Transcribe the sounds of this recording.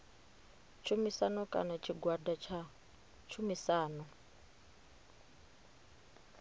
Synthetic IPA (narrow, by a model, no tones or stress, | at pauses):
t͡ʃʰumisanɔkʼa̰nat͡ʃʰiɡwadat͡ʃʰa | t͡ʃʰumisaːnɔ